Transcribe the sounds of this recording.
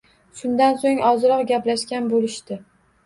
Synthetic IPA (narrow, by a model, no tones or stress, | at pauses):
ʃʊnd̪ansoŋɒzɾɒqɡʲaplaʃkʲanbolɪʃt̪ɪ